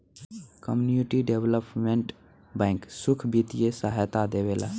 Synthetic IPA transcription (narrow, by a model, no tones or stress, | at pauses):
kəmjunjuʈiɖeʋləpmẽɳʈ | bɛ̃ːŋksʊkʰbit̪ijesaɦajt̪ad̪eʋela̰ː